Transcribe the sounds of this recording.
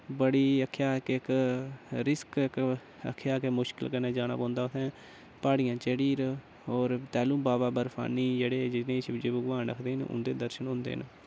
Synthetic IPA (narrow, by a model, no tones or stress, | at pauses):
bəɽiːəkʰːjaːkɪk | ɾɪskk | ə̰kʰːjaːkemʊʃkɪ̰lkəneːd͡ʒaːɽ̃a̰ːpɔ̃ːnd̪aːʊt̪ʰɛ̃ː | paːɽɪijãːt͡ʃeːɽiːɾ | ɔːɾt̪ɛːlũːbaːbaːbəɾpʰa̰ːnːiːd͡ʒeːɽeːd͡ʒɪnẽːt͡ʃd͡ʒeːbəɡʋaːnə̰kʰd̪eːɦnʊ̰̃nd̪eːd̪əɾʃənɦʊ̃ːnd̪ḛːn